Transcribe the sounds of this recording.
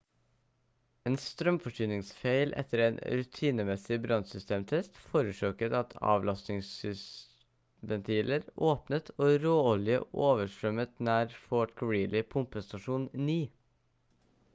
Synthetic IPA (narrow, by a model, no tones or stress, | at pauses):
eːnst̪ɾœmfɔʂyːnɪŋsfeɪlʔɛ̰t̪əɾeːnɾʉt̪ʰiːnəmɛsɪbɾɑnsʏst̪ʰeːmt̪ʰɛst̪foːɾʉʂøːkət̪ɑt̪ʰɑ̰ːʋlɑst̪ɪŋsʏs | ʋɛnt̪ʰiːləɾoːpnət̪ʰoːɾoːɔlɪjə̰ʔoːʋəʂɾœmət̪næːɾfoːʈkʰəɹiːlɪpʰʊmpəst̪ɑʂuːnniː